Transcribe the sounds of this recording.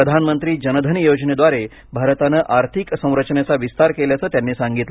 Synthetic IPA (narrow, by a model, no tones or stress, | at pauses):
əd̪ʱanmənt̪ɾiːd͡ʑənəd̪ʱənijod͡ʑned̪ʋaɾe | bʱaɾət̪anəʔaɾt̪ʰiksə̃w̃ɾət͡ʃnet͡saʋist̪aɾkeljat͡səːt̪janːeːsaŋɡit̪lə